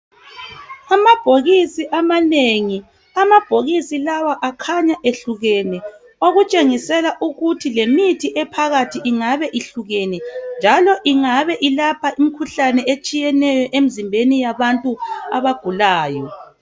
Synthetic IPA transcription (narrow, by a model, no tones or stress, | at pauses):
amab̥ʱoɣisiʔamaneŋi | amab̥ʱoɣisilawaʔakʰaɲaʔeɬuɣɛnɛ | oɣut͡ʃʼeŋisɛlaʔuɣutʰilemitʰiʔɛpʰaɣatʰiʔiŋaβɛʔiɬuɣɛnɛnd͡ʒʱalɔʔiŋaβɛʔilapʰaʔim̩kʰuɬanɛet͡ʃʼijɛnɛjɔʔem̩zimbʱenijaβantʼua̰βaɡ̥ʱulaːjɔ